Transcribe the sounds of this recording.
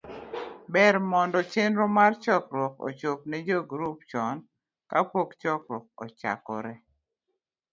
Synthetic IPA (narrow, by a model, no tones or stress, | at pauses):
bɛɾmɔndɔt͡ʃenɾɔmart͡ʃɔkɾwɔkɔ̰t͡ʃop̚nɛd͡ʒoɡɾup̚t͡ʃɔn | kapokt͡ʃɔkɾwɔk̚ɔ̰t͡ʃa̰kɔ̰ɾɛ